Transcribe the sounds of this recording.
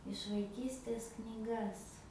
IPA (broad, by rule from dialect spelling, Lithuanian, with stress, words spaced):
ɪʃ ʋɐɪˈkʲiːsʲtʲeːs knʲiːˈɡɐs